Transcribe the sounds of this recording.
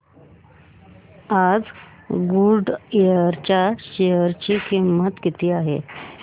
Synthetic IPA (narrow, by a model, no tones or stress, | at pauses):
ad͡z | ɡuɖeəɾt͡ɕjaɕeɦəɾt͡ɕikʰimət̪kit̪ʰiːaɦḛ